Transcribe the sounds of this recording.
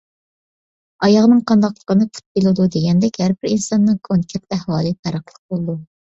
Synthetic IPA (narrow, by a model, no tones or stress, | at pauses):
ɑjɑʁnɨŋqʰɑnd̪ɑqlˠə̥qənɨpʰu̥t̪̚belˠɨd̪ud̪eɡʲɛnd̪ɛkʲhæɾbɪɾinsɑnːɨŋkʰoŋkʲʰɛɾlæhwɑːlˠɨpʰæɾɑχlˠəq̚bolˠɨd̪u